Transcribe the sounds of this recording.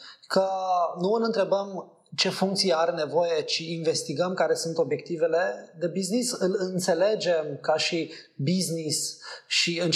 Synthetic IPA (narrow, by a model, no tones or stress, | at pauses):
kənuɨlɨnt̪ɾe̞bəm | t͡ʃe̞fuŋk̚t̪sijeaɾene̞vo̞je̞t͡ʃiːnve̞st̪iɡəmkaɾe̞sunt̪o̞bje̞k̚t̪ive̞le̞d̪e̞biznisɨlɨnt̪se̞le̞d͡ʒe̞mkaʃibiznisʃiɨn